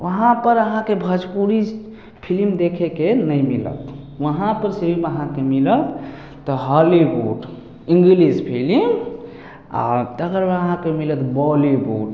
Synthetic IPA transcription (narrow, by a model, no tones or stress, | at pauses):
ʋəɦãpəɾəɦãkebʱəd͡ʒpuɾis | pʰilimd̪ekʰekenəjmilə̰t̪ | ʋəɦãpəɾsiiməɦãkemilət̪ː | ɔɦalibo̰ɖ | iŋɡilispʰilim | a̰t̪əɡəɾəɦãkemilət̪bɔliboʈ